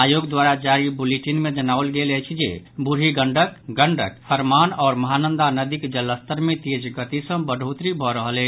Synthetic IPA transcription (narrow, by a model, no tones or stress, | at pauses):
ajoɡd̪waɾad͡ʒaɾibuleʈinmed͡ʒənaəlɡelɛt͡ʃʰid͡ʒebuɾiɡəɳɖəkɡəɳɖʱə̰k̚sʰəɾmanɔːɾməɦanənd̪anəd̪ikd͡ʒələst̪əɾmet̪ed͡ʒɡət̪isə̃bəɖʱɦot̪ɾibʱɔɾəɦəlɛ